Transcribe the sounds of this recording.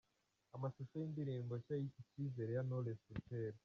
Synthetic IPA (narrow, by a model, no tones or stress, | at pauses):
amasoʃojindiɾiːmboʃajiciciːze̞ɾejanolesuteɾo